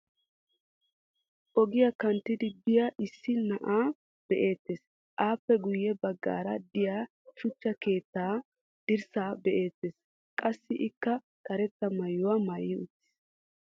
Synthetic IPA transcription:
ʔɔɡɪjakɐnt̪ːɪd̪ɪbɪjɐʔɪsːɪnɐʔaː | b̥ɛʔe̞ːt̪ːeːs | ʔaːpːɛɡʊjːɛbɐɡːa̰ːɾɐd̪ɪjaː | ʃʊt͡ʃːɐke̞ːt̪ːaː | d̪̥ɪɾsaːbɛʔeːt̪ːeːs | kʼɐsːɪʔɪkːɐ | k̪ʼɐɾɛt̪ːɐmɐjːʊwɐmɐjɪʊt̪ːɪ̥s

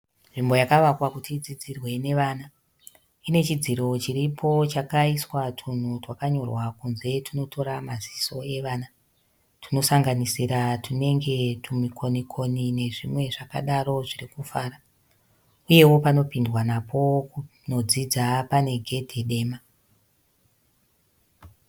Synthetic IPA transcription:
ʐimbo̞jakaʋakwakutid͡zid͡zirwe̞ne̞ʋaːna | ine̞t͡ʃid͡ziɾo̞t͡ʃiɾipʰo̞t͡ʃakaiswatʰun̤utwakaɲo̞rwakunze̞tino̞to̞ɾamaziso̞e̞ʋaːna | tʰino̞saŋɡanisiɾatine̞ŋɡe̞tumikʰo̞nikʰo̞nine̞ʐimwe̞ʐaka̰ɗaro̞ʐirikufaːra | uje̞wo̞pano̞pindwanapʰo̞k | nod͡zid͡zapane̞ɡʱe̞dʱe̞ɗe̞ːma

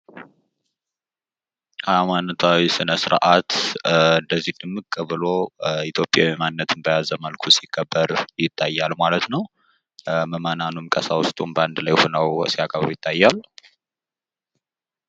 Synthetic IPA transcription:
ʔamant̪ʰawisɨnəsɨɾʔat̪ɨnd̪əzːihd̪ɨmːɨkkʼːəβɨlo̞it̪ʰjo̞pʼːjawimanːət̪ʰɨnbəjazəməlkʰusikʰʼːəbːəɾjɪt̪ʰʼːajːalmalət̪nəw | məmananumkʼəsawʊst̪ʼumbəand̪lajhonəwsiakʼəββəjɪt̪ʰʼːajːalu

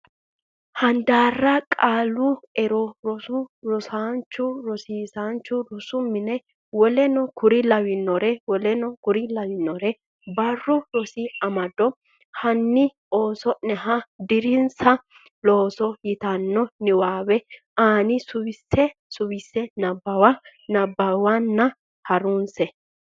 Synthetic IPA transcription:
hɐnd̪aːrːɐkʼaːlʊɛɾɔɾɔsʊɾɔsaːnt͡ʃːʊɾɔsiːsaːnt͡ʃːʊɾɔsʊmɪnɛ | wɔlɛnɔkʊɾɪlɐwɪnːɔɾɛwɔlɛnɔkʊɾɪlɐwɪnːɔɾɛ | bɐrːʊɾɔsɪɐmɐd̪ɔ | hɐnːɪ | o̞ːsɔʔnɛɦɐd̪ɪɾɪnsɐ | loːsɔjɪt̪ɐnːɔnɪwaːwɛʔaːnɪsʊwɪsːɛsʊwɪsːɛnɐbːɐwa | nɐbːɐwanːɐ | hɐɾʊnsɛ

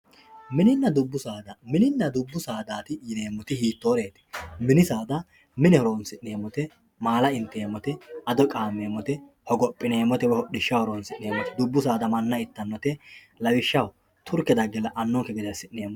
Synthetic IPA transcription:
mɪnɪnːɐd̪ʊbːʊsaːd̪ɐmɪnɪnːɐd̪ʊbːʊsaːd̪aːt̪ɪjɪneːmːɔt̪ɪhiːt̪ːoːɾe̞ːt̪ɪ̥mɪnɪsaːd̪ɐ | mɪnɛhɔɾoːnsɪnːeːmːɔt̪ɛ | maːlɐɪnt̪eːmɔt̪ɛɐd̪ɔkʼaːmeːmɔt̪ɛ | hɔɡɔpʼːɪneːmɔt̪ɛwɛhɔɗɪʃːɐwhɔɾoːnsɪnːeːmɔt̪ɛd̪ʊbːʊs̬aːd̪ɐmɐnːɐɪt̪ːɐnːɔt̪ɛ | lɐwɪʃːɐw | t̪ʰʊɾkɛd̪ɐɡɛlɐʔɐnːɔŋkɛɡɛd̪ɛsɪnːeːmɔ

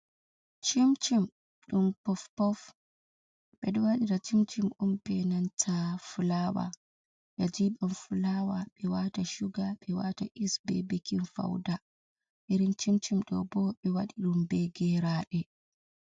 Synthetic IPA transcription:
t͡ʃimt͡ʃim | ɗumpɔfpɔf | ɓɛɗuwaɗiɾat͡ʃimt͡ʃimʔumpɛnantʰafulawa̰ | ɓɛd͡ʒiɓumfulawaɓɛwataʃuɡaɓɛwataʔisbɛ̰bekinfa̰wda | ʔiɾint͡ʃimt͡ʃimɗɔ̰bɔɓɛwaɗiɗumbɛɡɛɾaːɗɛ

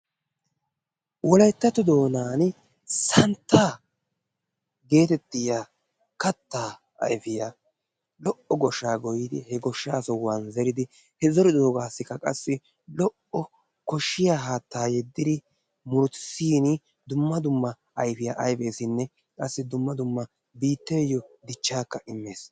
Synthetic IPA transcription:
wɔlɐjt̪ːɐt̪ɔd̪o̞ːnaːn | sɐnt̪ːaː | ɡe̞ːt̪ɛt̪ːɪjaː | kɐt̪ːaː | ɐ̰jfɪja | lɔʔɔɡɔʃːaːɡɔjɪd̪ɪ̰hɛɡɔʃːaːsɔwanzɛɾɪd̪ɪ | hɛzɔɾɪd̪oːɡaːsːɪkːɐkʼɐsːɪ | lɔʔɔ | kɔʃːɪjaɦaːt̪ːaːjɛd̪ːɪd̪ɪ | mʊɾsiːnɪ | d̪ʊmːɐd̪ʊmːɐ | ʔɐjfɪjaʔɐjbe̞ːsɪnːɛ | kʼɐsːɪd̪ʊmːɐd̪ʊmːɐ | biːt̪ːeːjːɔd̪ɪt͡ʃːaːkːɐʔɪmːeːs

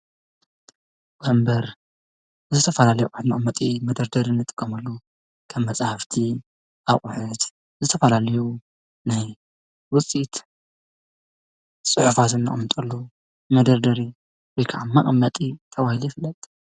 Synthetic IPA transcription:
bɐmbɐɾ | zɨt̪ʰɐfɐlalɐjuʔʼħt̪mɐχʼmːɐt̪ʼimɐd̪ɐɾd̪ɐɾinːɨt̪ʼɨkʼːɐmɐlːu | kʰɐmːɐt͡sʼahaft̪ʰi | ʔaχʼʊħɨt̪ | zɨt̪ʰɐfɐlalɐju | naj | wʊt͡sʼit̪ | sʼɨħufat̪ɨnːɨ̰χʼmɐt̪ʼɐlːu | mɐd̪ɐɾd̪ɐɾi | wɔjkʰaʕamɐʔʼmːɐt̪ʼit̪ʰɐβahilujifɨlːɐt̪ʼ

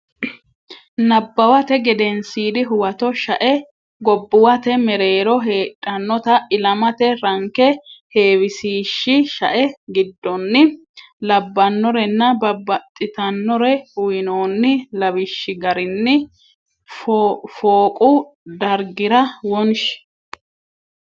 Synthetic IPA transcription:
nɐbːɐwɐt̪ɛɡɛd̪ɛnsiːd̪ɪɦʊwɐt̪ɔʃɐʔɛ | ɡɔbːʊwɐt̪ɛmɛɾe̞ːɾɔɦeːᶑʼːɐnːɔt̪ɐʔɪlɐmɐt̪ɛɾɐŋkɛhe̞ːwɪsiːʃːɪʃɐʔɛɡɪd̪ːɔnːɪ | lɐbːɐnːɔɾɛnːɐbɐbːɐt̪ʼːɪt̪ɐnːɔɾɛʊjɪnoːnːɪlɐwɪʃːɪɡɐɾɪnːɪ | ffoːkʼʊd̪ɐɾɡɪɾɐwɔnʃɛ̥

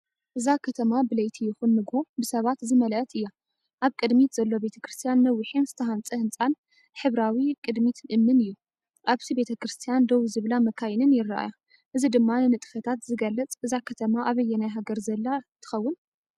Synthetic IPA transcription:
ʔɨzakʰɐt̪ʰɐmabɨlɐjt̪ʰijɪxunːɨɡho̞bɨsɐβat̪zɨmɐlɐt̪ʰɨjːa | ʔaβkʼɨd̪mit̪z̥ɐlːo̞be̞t̪ʰɐ̥kɾɨst̪ʰijanːɐwːɪħinzɨt̪ʰɐhant͡sʼɨhɨnt͡sʼan | ħɨβɾawikʼɨd̪mit̪ʰnʔɨmːɨnɨjːu | ʔaβt̪ibe̞t̪ʰɐkɾɨst̪ʰijand̪owzɨβlamɐkʰajnɨnjɪrːaʔa̰ja | ʔɨzid̪ɨmːanɨnɨt̪ʼɨ̥fɐt̪ʰat̪zɨɡɐlːɐt͡sʼʔɨzakʰɐt̪ʰɐmaʔaβɐjːɛnajɦaɡɐɾzɐlːat̪ʰɨ̥xɐwːʊn

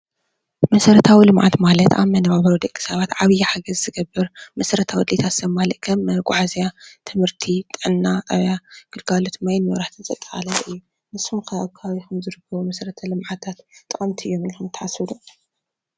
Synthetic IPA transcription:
mɐsɐɾɐt̪ʰawilɨmʕa̰t̪malɐt̪ʔa̰βmɐnɐβaβɐɾod̪ɐkʼːi̥sɐβat̪ʕaβɨjħaɡɐzzɨɡɐbːɨɾmɐsɐɾɐt̪ʰawɔd̪let̪ʰasɐmalɐʔ̪kʰɐmɡʷʼaʕazijat̪ʰɨmhɨɾt̪ʰit̪ʼɨʕɨnːaʔɐβjaɡ̥ɨlɡalot̪majnwɐɾaħt̪ʰɨnzʼɐ̰t̪ʼːɐ̥xʼa̰lɐʔɨjːu | mɨsumkʰɐaβkʰaβaβikʰɐmzɨɾɨkʰːɐβumɐsɐɾɐt̪ʰɐlɨmʕat̪ʰat̪ʼːɨχʼɐmt̪ʰiʔɨjːomikumt̪ʰɐʕasɨd̪u

